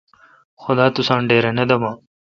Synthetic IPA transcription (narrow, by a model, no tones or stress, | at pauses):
xʊd̪aːt̪usãːnɖeːɾɐnɐd̪ɐmaː